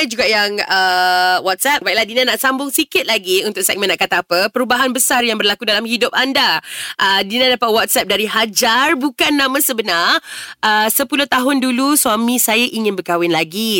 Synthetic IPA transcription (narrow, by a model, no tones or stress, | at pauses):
d͡ʒuɡaʔjaŋəwɔt̪̚sɛp̚baiʔlahdinãnaʔsambʊŋsikɪt̪̚laɡiunt̪ʊk̚sɛk̚mɛ̃nːaʔkat̪aːpəpəɾubaɦanbəsarjaŋbərlakudalamhidʊp̚andaʔədinãdapat̪̚wɔt̪̚sɛp̚daɾiɦad͡ʒarbukanːãmãsəbənarʔəsəpulʊt̪aɦʊnduluswamĩsajaʔiŋɪ̃nbərkawɪnlaɡi